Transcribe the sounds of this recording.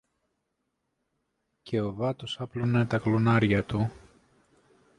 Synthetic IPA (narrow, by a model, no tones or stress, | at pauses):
cʰe̞o̞vɐt̪osɐplonet̪ɐklunɐɾʝɐt̪u